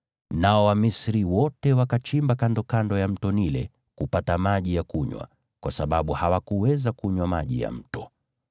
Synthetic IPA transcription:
naɔwamisɾiwɔtɛwakat͡ʃimbakandɔkandɔjam̩tɔnilɛ | kupatamaʄijakuɲwa̰ | kwasaɓaɓuhawakuwɛzakuɲwamaʄḭja̰m̩tɔ

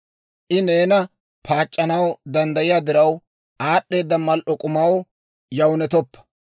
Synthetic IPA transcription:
ʔɪne̞ːnɐ | pʰaːt͡ʃʼːɐnɐwd̪ɐnd̪ɐjɪjaːd̪ɪɾɐw | aːɗːe̞ːd̪ːɐmɐlʔɔkʼʊmɐw | jɐwnɛt̪ɔpːɐ̥

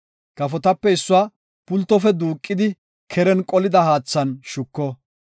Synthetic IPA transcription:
kɐfɔt̪ɐpːɛɪsːʊaː | pʊlt̪ːɔfɛd̪uːkʼːɪd̪ɪ | kʰɛɾɛnkʼɔlɪd̪ɐhaːt͡sːɐnʃʊkːɔ

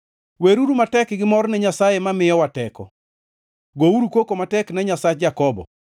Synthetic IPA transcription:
weɾuɾumatɛkɡɪmɔɾɔnɛɲasajemamɪjɔwatɛkɔ̰ | ɡouɾukokomatɛknɛɲasat͡ʃd͡ʒakɔbɔ̰

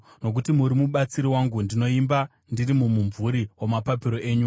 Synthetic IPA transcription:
no̞k̬utimuɾimuɓat͡siɾiwaŋɡundino̞imba | ndirimumuɱvuɾiwomapapiɾo̞ʔe̞ːɲu

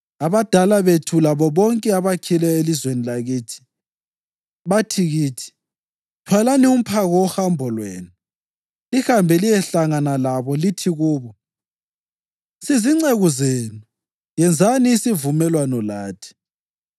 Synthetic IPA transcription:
aβad̥ʱalaβetʰulaβɔβɔŋkʼɛaβakʰilɛelizwenilaɣiːtʰi̥ | βatʰiɣiːtʰi̥ | tʰwalanium̩pʰaɣɔɔhambʱɔlweːnu | lihambʱɛlijɛɬaŋanalaβɔlitʰiɣuːβɔ | siziŋ͡ǀeɣuzenu | jɛnd͡zʱaniːsivumɛlwanɔlaːtʰi̥

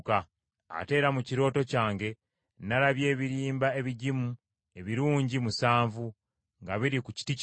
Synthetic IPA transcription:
ka | a̰te̞ːɾamuciɾo̞ːto̞caːŋɡe̞ | nalaβje̞ːβiɾiːmbae̞βiɟimu | e̞βiɾuːɲɟimusaːɱvu | ŋɡaβiɾikuci̥ti

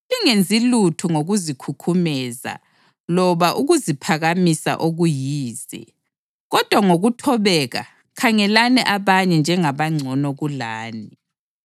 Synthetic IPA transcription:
iŋend͡zʱilutʰuŋoɣuzikʰukʰumɛza̰ | lɔβaʔuɣuzipʰaɣamisa̰ʔoɣujiːzɛ̰ | ɣɔd̥ʱwaŋoɣutʰɔβɛɣa̰ | kʰaŋɛlanɛʔaβaɲɛnd͡ʒʱɛŋaβaŋ͡ǀʱɔnɔɣulaːni

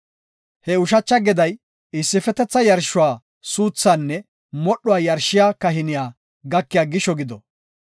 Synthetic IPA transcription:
hɛʊʃɐt͡ʃːɐɡɛd̪ɐj | ɪsːɪfɛt̪ɛt͡sːɐjɐɾʃʊwaː | suːt͡sːaːnːɛ | mɔɗːʊwaːjɐɾʃɪjaːkɐɦɪnɪjaː | ɡɐkːɪjaːɡɪʃɔɡɪd̪ɔ

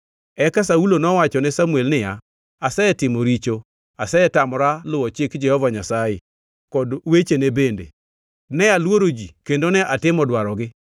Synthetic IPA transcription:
ɛkasaulonɔwat͡ʃɔnɛsamuɛlnɪja | asɛɛtɪmoɾit͡ʃo | asɛɛtamɾalʊɔt͡ʃɪkd͡ʒɛhɔvaɲasaje | kɔdwet͡ʃenebendḛ | nɛalwoɾod͡ʒikendonɛʔatɪmɔdwaɾɔɡɪ

